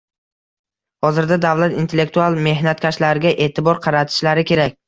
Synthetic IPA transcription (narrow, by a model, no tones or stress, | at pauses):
hɒzɪɾd̪ad̪avlat̪int̪ʰe̞lːek̚t̪ualˠme̞ɦnat̪kʲʰaʃlaɾɪɡʲaʔe̞ːt̪ʰɪbɒɾqʰɑɾat̪ʰɪ̥ʃlaɾɪkʲʰe̞ɾakʲ